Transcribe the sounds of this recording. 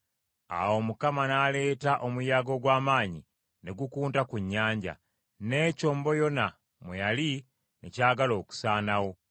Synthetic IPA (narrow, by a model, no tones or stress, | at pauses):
a̰wo̞mukamanaːle̞ːtaʔo̞mujaːɡo̞ɡwaːmaːɲi | ne̞ɡukuːntakuɲːaːɲɟa̰ | ne̞ːco̞ːmbo̞jo̞na | mwejali | nḛcaːɡalo̞ːku̥saːnawo̞